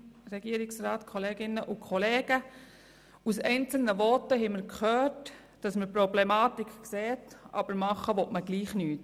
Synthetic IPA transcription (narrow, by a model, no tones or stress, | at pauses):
ɾɛɡiəɾɪksɾɑːtkʰɔleːɡɪnːəʔʊkʰχɔleːɡ̥ə | usɛɪnt͡sl̩nəʋɔtəɦɛɪməɾkχœːt | d̥ɑsməɾpɾɔblemɑːtɪkkseːtʔɑ̰b̥əɾmɑχəʋɔtməɡ̥liːχnyːt